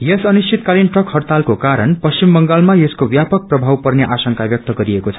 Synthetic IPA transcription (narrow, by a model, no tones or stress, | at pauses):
jesʌnist͡ʃʰit̪kalinʈrʌkhʌrt̪alkokaɾʌnpʌst͡ʃimːʌŋɡalmajeskobjapʌk̚prʌbʱawpʌrneʔasʌŋkabjʌk̚t̪ʌɡʌɾiekot͡sʰʌ̥